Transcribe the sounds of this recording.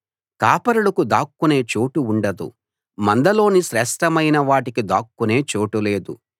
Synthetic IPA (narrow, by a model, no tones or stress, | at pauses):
kaːpɐɾuɽɐkud̪aːkːune̞ːt͡ʃo̞ːʈuɳɖɐd̪ṵ | mɐnd̪ɐlo̞ːniʃɾɛʂʈɐmɐjnɐʋaːʈikid̪a̰ːkːune̞ːt͡ʃo̞ːʈule̞ːd̪ṵ